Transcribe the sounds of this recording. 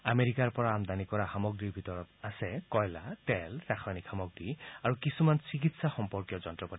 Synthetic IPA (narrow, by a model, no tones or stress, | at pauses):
ameɹikaɹpɔɹaːmd̪anikɔɹaxamɔɡɹiɹbʱitɔɹɔtasɛkɔjlatɛlɹaxʰanikxamɔɡɹiaɹukisumansik̬itsaxɔmpɔɹkjɔzɔntɹɔpati